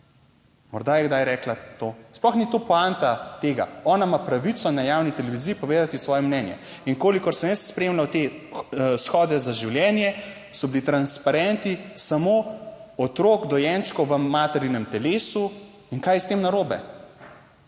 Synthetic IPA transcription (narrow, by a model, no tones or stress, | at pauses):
mɔɾd̪ajɛɡd̪ajɾɛːklat̪oːsplɔxnit̪oːpɔant̪at̪eːɡa̰ɔːnamapɾaʋit̪sɔnajawnit̪ɛlɛʋiziːpɔʋeːd̪at̪isʋɔːjɛmnɛnjɛ̰iŋkoːlikɔɾsɛmjest̪spɾemlawt̪e | sxɔːd̪ɛzaʒiwljɛːnjɛ | sɔbilit̪ɾanspaɾɛnt̪isamoɔt̪ɾoːɡd̪ɔjɛnt͡ʃkɔwʋəmaːt̪ɛɾinɛmt̪ɛleːsu | iŋkaːjɛst̪emnaɾoːbɛ̰